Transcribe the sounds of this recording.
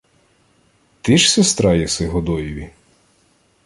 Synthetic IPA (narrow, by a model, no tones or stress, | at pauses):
t̪ɪʃsʲest̪ɾɑjɛsɪɦɔd̪ɔjiʋʲi